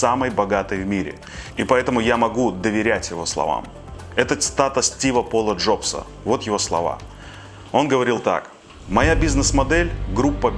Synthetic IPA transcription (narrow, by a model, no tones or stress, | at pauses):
saməjbɐɡat̪əjvmʲiɾʲɪ̰ | ipɐɛt̪əmʊjamɐɡud̪əvʲɪɾʲætʲjɪvo̞slˠɐ̰va̰m | ɛt̪ət̪st̪at̪ʊstʲivəpolˠəʐo̞psə̰ | vo̞t̪jɪvo̞slˠɐ̰va̰ | o̞nɡəvɐɾʲilˠt̪a̰k | mɐjabʲiznɨsmɐd̪ɛlʲɡɾupːə